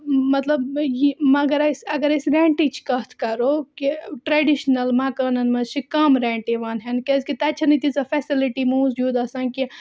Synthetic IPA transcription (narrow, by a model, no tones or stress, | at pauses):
mɐt̪ləbjimɐɡəɾɐsɐɡəɾɐsɾẽɳʈit͡ʃʰkɐt̪ʰkɐɾokiʈɾeɖiʃnɐlmaːkaːnɐnmɐt͡ʃʰikɐmɾẽːɳʈiʋaːnɦɛnkeskit̪ɐt͡ʃʰɐnɐt̪isɐfʰeːsiliʈimuzd͡ʒud̪ɐsanki